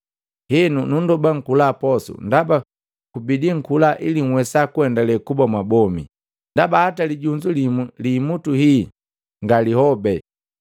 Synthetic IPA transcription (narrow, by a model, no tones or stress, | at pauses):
hɛnunundɔbaŋ̩kulaːpɔsṵndaba | kubidiŋ̩kulaʔiliŋ̩wɛsakuɛndalɛkubɔmwabɔmḭ | ndabahataliɟuɲd͡ʒulimulimutuhi | ŋɡalihɔbɛ